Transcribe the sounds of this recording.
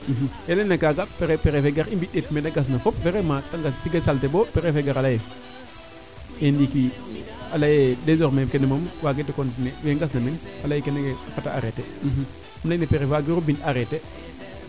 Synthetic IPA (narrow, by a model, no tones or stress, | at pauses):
m̩ɦjelenakaɡapeɾepeɾefeɡaɾimbiɗetmenaɡas̬nafopfeɾemataŋɡastiɡesaltebopeɾefeɡaɾalaje | endiki | alajedezoɾmekenemomwaɡetːikontneweŋɡas̬namenalajikeneɡeakataa̰ɾetɛ | amlainepeɾewaɡiɾobintaɾete